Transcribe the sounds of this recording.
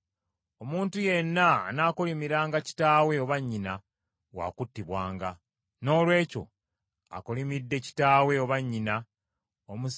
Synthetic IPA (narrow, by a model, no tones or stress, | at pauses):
o̞muːntuje̞nːaːnaːkolimiɾaːŋɡaci̥taːwe̞oβaɲːina | wa̰ːkutːiβwaːŋɡa | no̞ːlwe̞ːco̞̰ | a̰kolimidːe̞ci̥taːwe̞oβaɲːina | omu